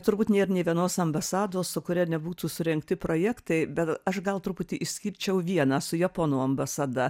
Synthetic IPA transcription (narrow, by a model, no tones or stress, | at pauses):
t̪ʊɾbuːt̪nʲeːɾnʲeɪʋʲiɛnoːsɐmbɐsɑːd̪oːssʊkʊɾʲɛnʲɛbuːt̪uːsʊɾʲɛŋkt̪ʲɪpɾoːjæːkt̪ɐɪbʲɛt̪ɐʃɡɐlˠt̪ɾʊpʊt̪ʲiʔɪʃʲsʲkʲiɾʲt͡ʃʲɛʊʋʲiɛnɑːsʊjɛponuːɐmbɐsɐd̪ɐ